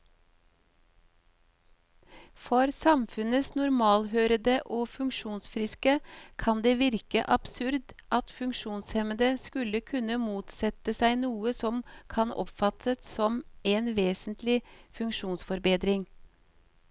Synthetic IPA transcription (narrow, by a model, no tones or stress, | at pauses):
fɔɾsɑmfʉnəsnʊɾmɑːlhøːɾəd̪əʔoːfʉŋkʃuːnsfɾɪskəkʰɑnd̪eːʋɪɾkəʔɑb̥sʉɾd̪ʔɑt̪fʉŋkʃuːnshɛməd̪əskʉləkʰʉnəmuːt̪sɛt̪əsæɪnuːəsɔmkʰɑnɔ̰pfɑt̪ət̪sɔmeːnʋeːsnt̪lɪfʉŋkʃuːnsfɔɾbeːd̪ɾɪŋ